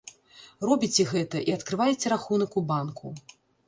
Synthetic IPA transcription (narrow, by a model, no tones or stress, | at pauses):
rɔbʲit͡sʲɛɣɛt̪ɐʔiɐt̪kɾɨvajɛt͡sʲɛɾaxunɐkubankʰu